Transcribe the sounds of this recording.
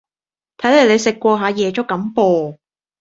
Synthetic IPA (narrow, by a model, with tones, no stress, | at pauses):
t̪ʰɐ˨˥jle˨˩le˨˧jsɪ˨kːʷɔː˧ɦaː˨˧jɛː˨˧t͡ʃʊ˥kːɐ˨˥mpɔː˧